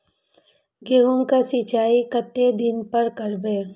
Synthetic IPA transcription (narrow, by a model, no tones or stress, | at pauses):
ɡeɦumkasit͡ʃaːikət̪ːed̪ɪnpɐɾkɐɾbeː